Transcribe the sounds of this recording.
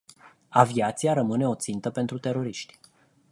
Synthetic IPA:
aviat̪siaɾəmɨne̞o̞t̪sint̪əpe̞nt̪ɾut̪e̞ɾo̞ɾiʃt̪ʲ

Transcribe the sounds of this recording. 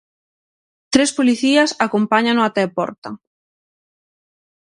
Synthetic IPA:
t̪ɾespoliθiɐsakompaɲanʊat̪ɛpɔ̰ɾt̪ɐ̰

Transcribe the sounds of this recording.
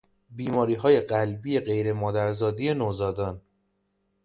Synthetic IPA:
biːmɒːɾiːɦɒːje̞ɢælbije̞ɢe̞jɾe̞mɒːd̪æɾzɒːd̪ijenozɒːd̪ɒːn

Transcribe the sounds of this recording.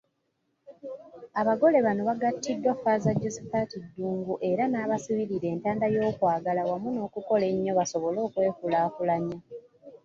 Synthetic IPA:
aβaɡo̞le̞βano̞βaɡatʰːidːwafaːzaɟːosipaːtidːuːŋɡuʔe̞ɾanaːβasiβiɾiɾe̞ːntaːndajo̞ːkwaːɡalawamuno̞ːkuko̞le̞ɲːo̞βaso̞βo̞lo̞ːkwe̞ːkulaːkulaɲa

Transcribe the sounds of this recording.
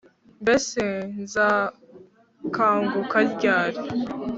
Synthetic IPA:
beseza | kaːŋɡukalɟaːɾe

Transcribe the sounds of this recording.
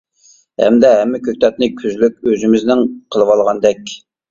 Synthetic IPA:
hɛ̰md̪ɛɦɛmːɪkʲʰøk̚ʲt̪ʰɛt̪nɨkʲʰyzlyk̚ʲøzymɪznɪŋqʰəlˠəwɑlˠʁɑnd̪ɛkʲ

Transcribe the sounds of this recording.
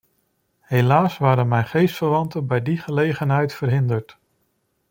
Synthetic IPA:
hejlaːsʋaːɾənmɛjnχejstfəɹʋɑntənbɛjdiχəlejχənɦɛjtfərɦɪndəɹt

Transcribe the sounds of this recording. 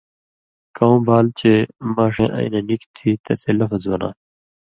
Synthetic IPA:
kaũːbaːlt͡ɕʰemãːʂẽːʔɐ̰̃ḭnenikt̪ʰiːt̪ɐseːlɐfzbɐna̰ː

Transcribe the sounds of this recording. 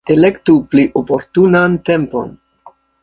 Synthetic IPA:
ele̞ktupliʔopo̞ɾtunante̞mpo̞̰n

